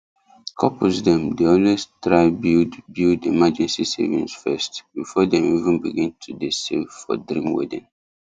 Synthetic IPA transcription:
kʰɔpʰosdɛ̃mdeɔ̃nwestɹaɪbildbildimad͡ʒɛ̃nsisḛvḭ̃nsfɛstbifɔdɛ̃mivə̃nbiɡĩntʰudesevfɔ̰dɹĩmwɛ̰dḭ̃n

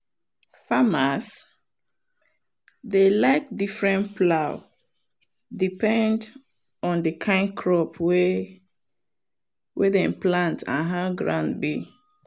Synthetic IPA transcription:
famas | delaɪk̚difɹɛ̃nplaʊ | dipɛ̃nd | ɔ̃ndəkʰãɪ̃nkʰɹɔpwe | wʔedɛ̃mplãntʰã̰nɦaɡɹã̰ʊ̃ndbi

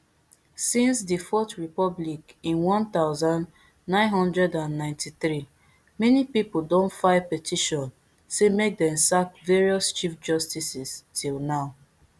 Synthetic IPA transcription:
sĩnsdifɔtɹipɔblikĩnwɔ̃nt̪aʊzãnd | nãɪ̃nɦɔ̃ndɹɛdãnːãɪ̃ntʰiθɹi | mɛnipipodõntfaɪpɛtʰiʃɔ̃n | semek̚dɛ̃msakveɹiɔst͡ʃifd͡ʒɔstisistʰilˠnaʊ

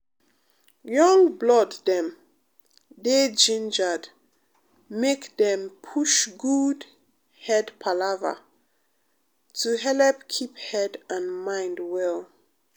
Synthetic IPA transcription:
jɔ̃ŋblɔdðɛ̃m | ded͡ʒĩnd͡ʒəd | mekdɛ̃mpʰuʃɡud | hɛdpʰalavə̰ | tʰuɦɛlɛpkʰiphɛdãnmãɪ̃ndwɛl

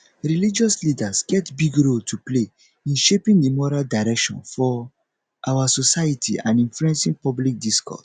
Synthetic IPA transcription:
ɹilid͡ʒɔslidasɡɛtbiɡɹoltʰuple | ĩnʃepĩŋdimɔɹaldaɹɛkʃɔ̰̃nfɔ | ʔawasosajitʰiãnĩnfluɛ̃nsĩŋpɔblik̚diskɔ̰s

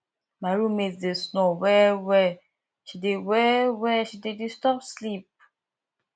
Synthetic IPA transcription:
maɾumetdesnowɛwɛ | ʃidewɛwɛʃidedistɔpslip̚

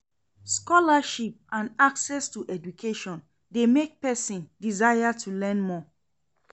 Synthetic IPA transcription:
skɔlaʃip̚ãnaksɛstuʔɛd͡ʒukʰeʃɔ̃n | demek̚pɛsĩndizajatʰulɛ̃nmɔ

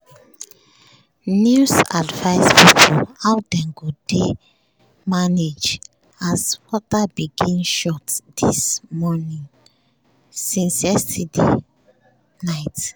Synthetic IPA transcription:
njusadvaɪspipʰolawdɛ̃ŋɡode | maned͡ʒ | asfɔtabiɡĩnʃɔtd̪ismɔnĩŋ | sĩnsɛstidḛ | naɪt

